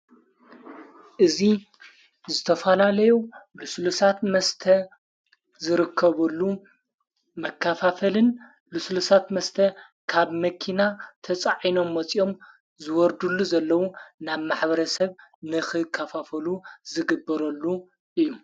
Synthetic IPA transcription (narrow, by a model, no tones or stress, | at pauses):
ʔɨzi | zɨt̪ʰɐfɐlalɐjuluslusat̪mɐst̪ʰɐ | zɨɾɨkʰːɐβɐlːu | mɐkʰːafafɐlɨn | luslusat̪mɐst̪ʰɐ | kʰaβmɐkʰinat̪ʰɐt͡sʼaʕino̞mːɐt͡sʼio̞m | zɨwɔɾd̪ulːuzɐlːɐwunaβmaħbɐɾɐsɐβnɨxɨkʰːɐfafɐluzɨɡɨbːɐɾɐlːu | ʔɨjːu